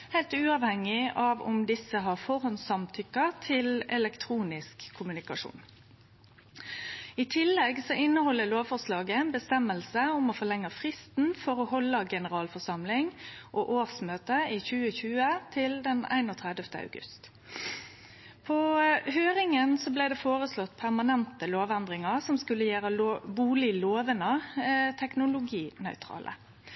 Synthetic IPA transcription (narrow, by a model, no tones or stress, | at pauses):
hæɪlt̪ʉːɑːʋhɛŋɪɑʋʊ̰md̪ɪsːəɦɑʁfɔɾhɔnsɑmt̪ʰʏkət̪ʰɪlɛlɛkt̪ʰʁuːnɪskʰːʊmʉnɪkɑʂṵːn | it̪ʰɪlːɛɡsɔʔɪnːəhɔlːəloːʋfɔʁslɑːɡənbəst̪ɛmːəlsəʊmɔfɔʁlɛŋːɑfʁɪst̪n̩fɔɾohɔlːəɡɛnəʁɑːlfɔʁsɑmlɪŋʔoːʔoːʁsmøːt̪əiːçʉːəçʉːət̪ʰɪld̪ɛnæ̰ɪnoːt̪ʰʁɛd̪əft̪ə̰ɑ̰ʉɡʉ̰st̪ | pʰɔhøːɾɪŋənsɔbleɪd̪ɛːfoːʁəslɔt̪ːpʰæʁmɑnɛnt̪əloːʋɛnd̪ʁɪŋəʁsɔmskʉlːəjæːɾəbuːlɪloːʋənət̪ʰɛknʊlʊɡiːnœ̰ʏt̪ʰʁɑ̰ːlʔə̰